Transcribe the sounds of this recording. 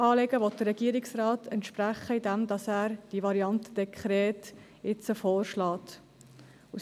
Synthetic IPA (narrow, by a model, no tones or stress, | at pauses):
ɑːleɡəʋɔt̚d̥əɾːɛɡ̥iːəɾɪksrɑːtʰɛntʃpɾæχəidɛmdɑsæːɾd̥iʋɑɾiɑntə̥d̥ɛkχɾɛːt | ɪt͡səfɔːɾʃlɑːt | u